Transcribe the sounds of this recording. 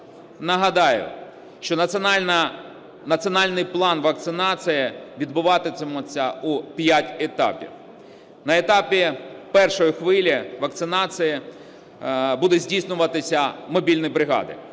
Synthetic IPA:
nɐɦɐd̪ɑjʊ̰ | ʃt͡ʃɔnɐnʲn | nɐsɨɔnɑlʲnɪjplˠɑnʋɐk̚t̪sɪnɑsɨjɪʋʲid̪̚bʊʋɑt̪ɪsɛmɔt͡sʲːɐupjatʲet̪ɑ̰pʲḭw | nɐet̪ɑpʲipɛrʃɔjixʋɪlʲiʋɐkt̪sɪnɑsɨjɪ | bud̪ɛzʲdʲijsnʊʋɐt̪ɪsʲɐmɔbʲilʲnɔjbɾɪɦɑ̰d̪ɪ̰

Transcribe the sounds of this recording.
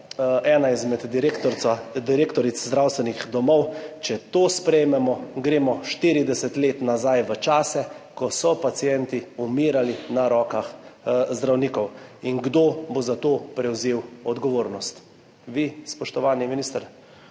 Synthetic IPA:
ɛːnaizmɛd̪ɾekt̪ɔɾad̪iɾeːkt̪ɔɾit̪szd̪ɾawst̪ʋɛnixd̪ɔmɔwt͡ʃɛt̪oːspɾɛjmɛmɔɡɾeːmɔʃt̪iːɾid̪ɛsɛt̪leːt̪nazajʋət͡ʃaːsɛkɔsɔpat̪sijɛnt̪iumiːɾalinaɾɔːkaxzd̪ɾawniːkɔwiŋɡd̪oːbozat̪oːpɾɛwzeːwɔd̪ɡɔʋoːɾnɔst̪ | ʋispɔʃt̪ɔʋaːniminiːst̪əɾ

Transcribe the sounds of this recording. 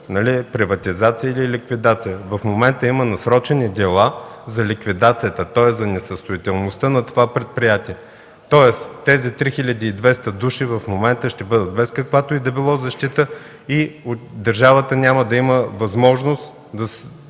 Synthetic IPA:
nɐlipɾivɐt̪izat̪sijəililʲikvid̪at̪sijəvɐfmomɛnt̪əimənɐsɾɔt͡ʃɛnid̪ɛlˠazɐlʲikvid̪at̪sijət̪ət̪ɔɛzɐnɛsəst̪ʊit̪ɛlˠnost̪ənɐt̪ovapɾɛt̪̚pɾijat̪iɛ | t̪ɔɛst̪ɛzit̪ɾixilʲɐd̪iːd̪vɛst̪əd̪uʃivɐfmomɛnt̪əʃt̪ɛbɤd̪ət̪̚bɛskɐkvat̪oid̪ɐbilˠɔzɐʃt̪it̪ə | iod̪ɐɾʒavət̪ənʲaməd̪ɐiməvɐzmɔʒnost̪ | d̪ɐs

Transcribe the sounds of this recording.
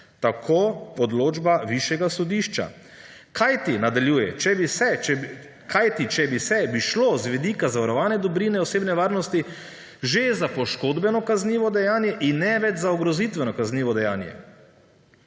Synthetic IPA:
t̪akʰoɔd̪loːd͡ʒbaʋiʃjɛɡasɔd̪iʃt͡ʃa̰ | kʰajt̪inad̪aljuːjɛ̰t͡ʃɛbisɛɛ | kʰajt̪it͡ʃɛbisɛbiʃlozʋɛd̪ikazaʋaɾɔʋaːnɛd̪ɔbɾiːnɛɔseːbnɛʋaːɾnɔst̪i | ʒezapɔʃkod̪bɛnɔkazniːʋɔd̪ɛjaːnjɛʔinːɛʋɛd͡ʒzaɔɡɾɔzit̪ʋɛnɔkazniːʋɔd̪ɛjaːnjɛ̰

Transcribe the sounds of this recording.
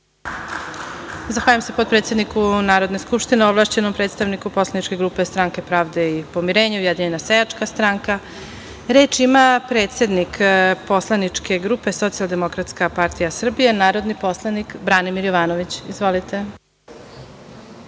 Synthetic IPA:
zaxʋaːʎamsepopɾet̪se̞d̪nikunaːɾo̞d̪neskupʂt̪ineoblˠaːʃt͡ɕe̞nompɾet̪st̪aʋnikupo̞slˠanit͡ʃke̞ɡɾupe̞st̪ɾaŋke̞pɾaːʋd̪eipo̞miɾe̞ːɲeujed̪iɲenasejat͡ʂkast̪ɾaŋka | ɾeːt͡ʃimapɾet̪sʲe̞d̪nikpo̞slˠanit͡ʂke̞ɡɾupe̞so̞t̪sialˠd̪e̞mo̞kɾat̪skapaɾt̪ijasr̩bijenaːɾo̞d̪nipo̞slˠanikbɾaːnimiɾjoʋaːnoʋit͡ɕizʋo̞lit̪e̞

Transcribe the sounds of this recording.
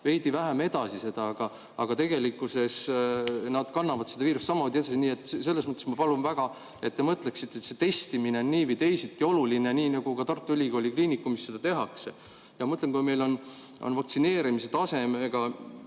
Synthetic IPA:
ve̞jd̪ivæɦæme̞d̪̥ɑsise̞d̪̥ɑɑɡ̥ɑ | ɑɡ̥ɑt̪e̞ɡ̥e̞likːˑuse̞s | nɑd̪̥kɑnːɑvɑd̪seɑviːɾust̪sɑmːo̞ːd̪ie̞d̪̥ɑsiniːe̞t̪ːˑse̞lːesmɤt̪ːˑesmɑpɑlunvæɡ̥ɑ | e̞t̪ːemɤt̪le̞ksit̪ːˑet̪set̪e̞st̪imineonːiːvijt̪e̞jsit̪ːˑio̞luline̞niːnɑɡ̥ukɑt̪ɑrt̪ːuylʲiɡo̞ːlʲikliːnikːˑumisːed̪ɑt̪e̞ɦɑkse | jɑmɤt̪lenkujme̞jlo̞n | o̰nvɑkt̪sine̞ːɾimiset̪ɑse̞meɡ̥ɑ

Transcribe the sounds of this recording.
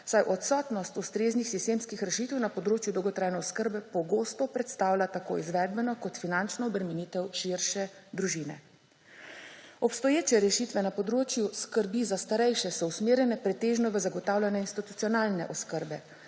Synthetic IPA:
sajʔɔt̪sɔːt̪nɔst̪ust̪ɾeːznixsist̪eːmskixɾɛʃit̪ɛwnapɔd̪ɾoːt͡ʃjud̪ɔwɡɔt̪ɾaːjnɛɔskəɾbɛpɔɡoːst̪ɔpɾɛt̪st̪aːwlʲat̪ako̰ːizʋɛːd̪̚bɛnɔkɔt̪finant͡ʃnɔɔbɾɛmɛnit̪ɛwʃiɾʃɛd̪ɾuʒiːnɛ̰ | ɔpst̪ɔjeːt͡ʃɛɾɛʃit̪ʋɛnapɔd̪ɾoːt͡ʃjuskəɾbizast̪aɾɛjʃɛsɔusmeːɾjɛnɛpɾɛt̪eːʒnɔʋəzaɡɔt̪aːwlʲanɛinst̪it̪ut̪sijɔnaːlnɛ̰ʔɔskəɾbɛ

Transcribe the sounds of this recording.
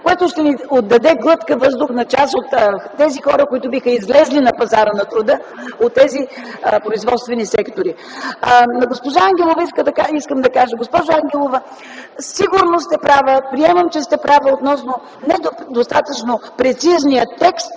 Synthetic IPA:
koɛt̪ʊʃt̪ɛniod̪ːɐd̪ɛɡlˠɤt̪kəvɤzd̪ʊxnɐt͡ʃasot̪ːɛzixɔɾəkoit̪ʊbixəizlɛzlinɐpɐzaɾənɐt̪ɾʊd̪əot̪ːɛzipɾoizvɔt̪st̪vɛnisɛkt̪oɾi | nɐɡospoʒaaŋɡʲɛlˠovɐiskəd̪aiskəmd̪ɐkaʒəɡospɔʒʊaŋɡʲɛlˠovə | siɡʊɾnost̪ɛpɾavəpɾiɛməmt͡ʃɛst̪ɛpɾavəot̪nɔsno | nɛd̪d̪ost̪at̪ət͡ʃnopɾɛt̪siznijət̪ːɛkst̪

